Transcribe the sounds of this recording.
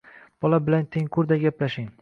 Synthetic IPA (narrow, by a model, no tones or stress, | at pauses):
b̥ɒlabɪlant̪ʰeŋkʰʊɾd̪aɡʲaplaʃɪŋ